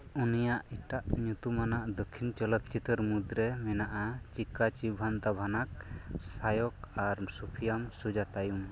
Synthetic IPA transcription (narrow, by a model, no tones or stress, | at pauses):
unijaʔiʈaʔɲut̪umanaʔd̪ɔkʰːint͡ʃɔlɔt̪t͡ʃit̪ɔɾmud̪ɾɛmɛnaʔat͡ʃikat͡ʃibʱand̪abʱanak̚sajɔkaɾsupʰijamsud͡ʒat̪ajum